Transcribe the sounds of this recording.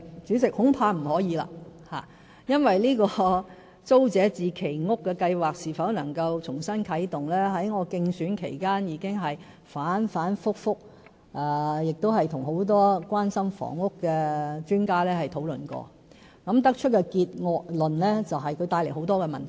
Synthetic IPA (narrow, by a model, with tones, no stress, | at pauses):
t͡syː˨˥t͡sɪ˨k̚hʊ˨˥ŋpʰaː˧m̩˨˩hɔː˨˥jiː˨˧la̰ː˧˥ha̰ː˨˩ | jɐ˥nwɐ˨jliː˥kɔː˧ | t͡so˥wt͡sɛː˨˥t͡siː˨˩kʰe˨˩jŋʊ˥kːɛː˧kɐ˧jwaː˨k̚siː˨˩fɐ˨˥wnɐ˨˩ŋkɐ˧wt͡sʰʊ˨˩ŋsɐ˥nkʰɐ˨˥jt̪ʊ˨ŋlɛː˥ɦɐ˨˥jŋɔː˨˧kɪ˧ŋsyː˨˥nkʰe˨˩jkaː˥njiː˨˧kɪ˥ŋɦɐ˨j | faː˨˥nfaː˨˥nfʊ˥k̚fʊ˥k̚ | ʔɛː˨˩jɪ˨k̚t̪o˥wɦɐ˨jt̪ʰʊ˨˩ŋɦo˨˥wt̪ɔː˥kʷaː˥nsɐ˥mfɔ̰ː˨˩ŋːʊ˥kːɛː˧t͡ʃyː˥nkaː˥lɛː˥hɐ˨jt̪ʰo˨˥wlɵ̰˨nkɔ̰ː˧ | kɐ˨˥mt̪ɐ˥k̚t͡ʃʰɵ˥t̚kɛː˧kiː˧t̚ŋɔː˧k̚lɵ˨nlɛː˥t͡sɐ˨wɦɐ˨jkʰɵ˨˧ɥt̪aː˧jle˨˩jho˨˥wt̪ɔː˥kɛː˧mɐ˨nt̪ʰ